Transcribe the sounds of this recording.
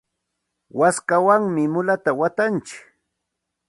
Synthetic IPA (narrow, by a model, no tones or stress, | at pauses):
waskawaŋmɪmʊlat̪awat̪ant͡ʃɪk